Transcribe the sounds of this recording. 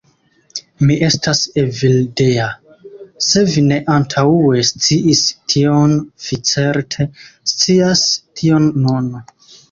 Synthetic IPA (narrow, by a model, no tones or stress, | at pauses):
miʔe̞stasevildea | se̞vine̞ʔantʰaue̞st͡siʔistʰio̞nfit͡se̞ɾtʰe̞st͡siastʰio̞nːun